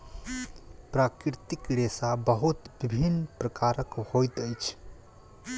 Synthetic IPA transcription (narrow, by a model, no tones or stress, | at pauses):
pɾakɾɾɪt̪ikɾesabəɦut̪bibʱinpɾəkaɾəkhojt̪əjt͡ʃʰ